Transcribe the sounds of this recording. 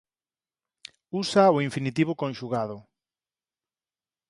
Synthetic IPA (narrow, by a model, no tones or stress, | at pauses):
usaoiɱfinit̪iβʊkõnʃuɣað̞ʊ